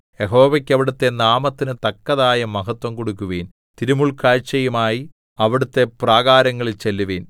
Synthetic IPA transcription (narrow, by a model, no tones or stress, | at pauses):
jeɦo̞ːʋɐkʲːɐʋiɽut̪ːe̞naːmɐt̪ːinɨt̪ɐkːɐðaːjɐmɐɦɐt̪wɐmkoɽukːuʋeːn | t̪iɾumuɭkaːɻt͡ɕːɐjumaːji | ɐʋiɽut̪ːe̞praːɣaːɾɐŋːɐɭilt͡ɕelːuʋeːn